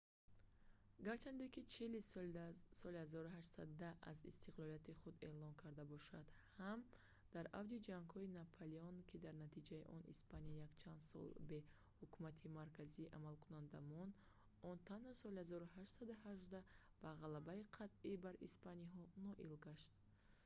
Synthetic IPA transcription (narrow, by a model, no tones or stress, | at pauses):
ɡaɾt͡ʃʰand̪ekit͡ʃʰili | sɔlihazɔɾuɦaʃt̪sad̪d̪aa̰zḭst̪ʰiqlɔlijat̪iχud̪e̞lɔnkʰaɾd̪abɔʃad̪̥ham | d̪̥aɾavd̪id͡ʒaŋɡhɔinapʰaliɔnkʰid̪aɾnat̪ʰid͡ʒaiʔɔnḭspanijakt͡ʃʰand̪sɔ̰lbe̞ | hukʰumat̪ʰimaɾkʰaziːʔamalkʰunand̪amɔnd̪ | ɔnt̪ʰanhɔsɔlihazɔɾuɦaʃt̪sad̪uɦaʒd̪a | b̥aʁalabaiqʰat̪ibaɾḭspaniɦɔnɔʔḭlɡaʃt̪